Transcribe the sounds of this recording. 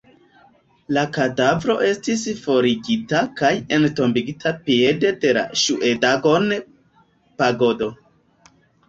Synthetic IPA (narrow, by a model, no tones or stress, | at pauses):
lakadavɾo̞ʔe̞stisfo̞ɾiɡitakaje̞nto̞mbiɡitʰapie̞de̞de̞la̰ʃuʔedaɡo̞n | paɡo̞do̞